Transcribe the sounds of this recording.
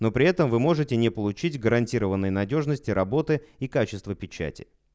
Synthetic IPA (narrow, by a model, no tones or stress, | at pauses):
no̞pɾʲɪɛt̪əmvɨmo̞ʐɨtʲɪnʲɪpəlˠʊt͡ɕitʲɡəɾɐnʲtʲiɾəvənːəjnɐdʲo̞ʐnəsʲtʲɪɾɐbo̞t̪ɨikat͡ɕɪst̪vəpʲɪt͡ɕæ̰tʲɪ̥̰